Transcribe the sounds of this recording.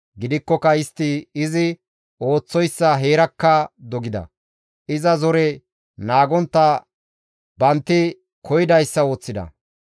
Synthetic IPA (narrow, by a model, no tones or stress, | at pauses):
ɡɪd̪ɪkːɔkɐɪst̪ːɪɪzɪ | o̞ːt͡sːɔjsːɐɦeːɾɐkːɐd̪ɔɡɪd̪ɐ̰ | ɪzɐzɔɾɛ | naːɡɔnt̪ːɐ | bɐnt̪ːɪ | kʰɔjɪd̪ɐjsːɐo̞ːt͡sːɪd̪ɐ̰